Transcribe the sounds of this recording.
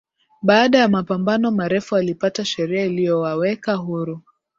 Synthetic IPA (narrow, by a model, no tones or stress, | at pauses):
ɓaːɗajamapambanɔmaɾɛfualipataʃɛɾiailijɔwawɛkaɦuɾu